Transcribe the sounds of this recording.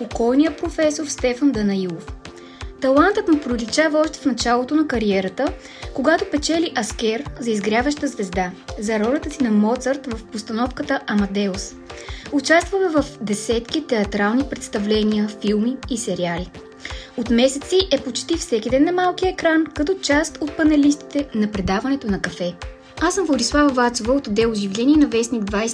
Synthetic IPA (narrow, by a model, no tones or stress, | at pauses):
pokɔjnijəpɾofɛsoɾst̪ɛfənd̪ɐnɐilˠof | t̪ɐlˠant̪ət̪mɛpɾolʲit͡ʃavɐɔʃt̪ɛ̥fnɐt͡ʃalˠot̪onɐkɐɾiɛɾət̪ə | koɡat̪opɛt͡ʃɛliʔɐskɛɾzɐizɡɾʲjavəʃt̪əzvɛzd̪azɐɾɔlʲɛt̪əsinɐmɔt̪səɾt̪vɐfpost̪ɐnɔfkət̪əʔɐmɐd̪ɛos | ʊt͡ʃast̪vəmɛvɐfd̪ɛsɛt̪kit̪ɛɐt̪ɾalˠnipɾɛt̪st̪ɐvlɛniəfilˠmiːsɛɾiali | ot̪mɛsɛt̪siʔɛpot͡ʃt̪ifsɛkid̪ɛnːɐmalˠkijəɛkɾankɐt̪ɔt͡ʃast̪ot̪̚pɐnɛlist̪i̥t̪ɛnɐpɾɛd̪avɐnɛt̪onɐkɐfɛ | asəmvlˠɐd̪islˠavɐvat̪sovəot̪od̪ɛoʒivlʲɛniɛnɐvɛsniɡd̪vajs